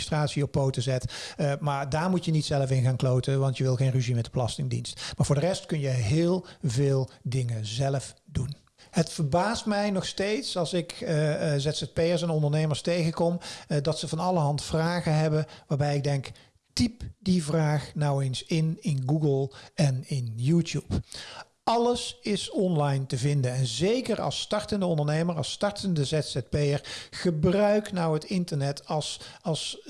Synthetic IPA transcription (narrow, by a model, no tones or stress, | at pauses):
straːtsiɔpːowtəzɛtmaːɹdaːɹmutjənitsɛləfɪnɣaːnklowtəʋɑntjəʋɪlˠɣenreʒimɛtəbəlɑstɪŋdḭnstmaːɹvʊːɹdərɛstkɵnjəɦɪːlˠvɪːlˠdɪŋənzɛləfdun | ɦətfəɹbaːstmɛjnɔxstejtsɑlˠsɪkzɛtsɛt̚peːəɹs̬ɛnɔndəɹnejməɹstejɣəkɔmdɑtsəvɑnɑlˠəɦɑntfraːɣənɦɛbəʋaːɹbɛjɪɡ̚dɛŋk | tipdivraːχnɔwensɪnɪnɡuɡəlˠɛnɪnjuːtjup | ɑləsɪsɔnlɑjntəvɪndənɛnzejkərɑ̰lˠstɑɹtəndəɔndəɹnejməɹɑ̰lˠstɑɹtʰəndəzɛtsɛt̚pejəɹχəbrœɥknɔwɦətɪntəɹnɛtɑsɑlˠs